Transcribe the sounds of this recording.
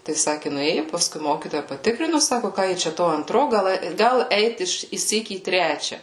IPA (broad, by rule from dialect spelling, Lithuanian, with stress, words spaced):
tɐɪ ˈsɑːkʲɪ nʊˈeːjʊ pɐˈskʊɪ ˈmoːkʲiːtoːjɛ pɐˈtʲɪkrʲɪnʊ ˈsɑːkoː ˈkɑː jɪ t͡ʃʲɛ ˈtoː ɐnˈtroː ˈɡɐlˠ ˈɡɐlˠ ˈɛɪt ˈɪʃ ɪʃʲˈsʲiːk iː ˈtʲrʲæːt͡ʃʲɛ